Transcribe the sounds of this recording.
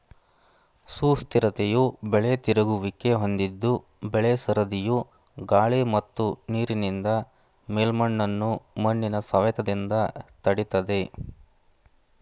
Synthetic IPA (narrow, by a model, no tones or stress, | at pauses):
suːst̪iɾɐt̪ejubɛɭet̪iɾɐɡuʋike̞ɦo̞nd̪id̪ːu | bɛɭesɐɾɐd̪iju | ɡaːɭimɐt̪ːuniːɾinind̪ɐ | meːlmɐɳːɐnːumɐnːinɐsɐʋɛt̪ɐd̪ind̪ɐt̪ɐɽit̪ɐd̪e̞